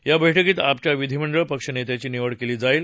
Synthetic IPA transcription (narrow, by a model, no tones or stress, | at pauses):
jabʱəjʈʰəkiːt̪ap̚t͡ɕjaʋid̪ʱiməɳɖɾəpəkʂənet̪jat͡ɕiːniʋəɽkeliːd͡zaiːl